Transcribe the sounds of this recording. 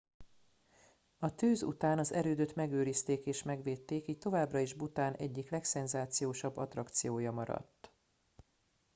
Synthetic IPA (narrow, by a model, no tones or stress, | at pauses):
ɒt̪øːzṵt̪aːnɒzɛɾøːd̪ø̞t̪mɛɡøːɾist̪eːkeːʃmɛɡʋeːt̪ːeːkiːc̚t̪o̞vaːbrɒeːʒbut̪aːnʔɛɟːiklɛksɛnzaːt̪sijoːʃɒbːɒt̪rɒkt̪sijoːjɒmɒɾɒ̰t̪ː